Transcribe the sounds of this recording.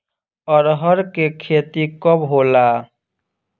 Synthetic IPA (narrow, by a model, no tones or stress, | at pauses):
ɔːɾɦəɾkekʰeːt̪ikəbɦoːla